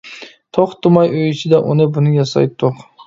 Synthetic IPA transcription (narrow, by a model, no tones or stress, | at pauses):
t̪ʰoχt̪ʊmɑjøjt͡ʃʰɪd̪ɛʔunɪbʊnɪjɑsɑ̰jt̪ʰːoq